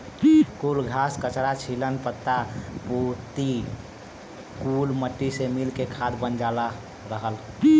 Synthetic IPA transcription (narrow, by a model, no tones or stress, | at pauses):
kulɡʱaskət͡ʃɾat͡ʃʰilənpət̪ːapuɾt̪i | kulməʈːisemilkekʰad̪bənd͡ʒala | ɾəɦəl